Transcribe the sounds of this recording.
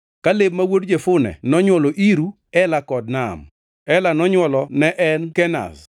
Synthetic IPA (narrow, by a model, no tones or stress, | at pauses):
kalebmawodd͡ʒefʊnɛ̰nɔɲwɔloʔiɾu | ɛlakɔd̚nam | ɛlanɔɲwɔlɔnɛʔɛnkɛna̰s